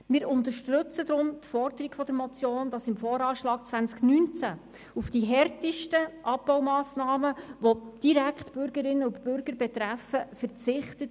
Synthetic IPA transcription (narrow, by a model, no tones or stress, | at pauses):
mɪːɾʊnt̪əʃtøt͡səd̪ɾʊmt̪fɔɾd̪əɾiɡ̥fɔd̥̪əɾmɔt͡sjoːnd̥ɑsɪmfɔːɾɑːʃlɑːɡ̚t͡svænt͡sknyːnt͡sæ | ufd̥iɦɛrtɪʃtəʔɑpb̥ɔwmɑːsnɑːməʋod̥iɾækχtb̥ʏɾɡəɾɪnːəʊntb̥ʏɾɡəɾbɛt̪ɾæfəfəɾt͡sɪχtət